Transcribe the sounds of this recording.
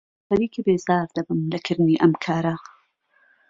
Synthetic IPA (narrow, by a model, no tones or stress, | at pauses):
hɐɾiːkibeːzaːɾd̪ɐbɨmlɐkʰɨɾɨniʔɐmkʰaːɾɐ